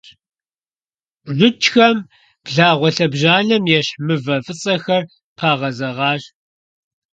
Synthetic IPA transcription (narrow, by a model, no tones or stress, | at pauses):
ʒʷʊt͡ʃxɐm | b̥ɮaːʁʷɔɬɐbʑaːɮɐmjɛɕħmɨvɐfʼɨt͡sʼɐxɐr | pʰaːʁɐzɐʁɑːɕ